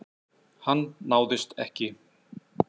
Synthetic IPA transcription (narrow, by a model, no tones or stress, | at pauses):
hanːaːwðɪst̪ɛhcɪ